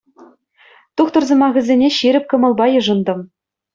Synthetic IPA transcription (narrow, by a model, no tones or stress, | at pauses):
t̪uχt̪ɤ̆rzɤ̆mɑɣʲɘ̆zʲenʲeɕiɾʲɘ̆p̚ʲkɤ̆mɤ̆lˠbɑjɤ̆ʐɤ̆nd̪ɤ̆m